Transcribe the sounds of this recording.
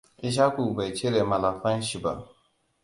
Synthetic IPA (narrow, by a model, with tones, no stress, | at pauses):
i˦ʃ̬a˦kʷu˨ba˨t͡ʃe˦ɾe˨ma˨la˨ɸɐ˦nʃi˨ba̰˦˨ʔ